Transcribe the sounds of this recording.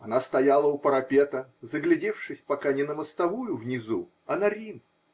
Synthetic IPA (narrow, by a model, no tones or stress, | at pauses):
ɐnast̪ɐjalˠəʊpəɾɐpʲe̞t̪əzəɡlʲɪdʲe̞fʂɨsʲpɐkanʲɪnəməst̪ɐvujʊvnʲɪzu | ɐnɐɾʲim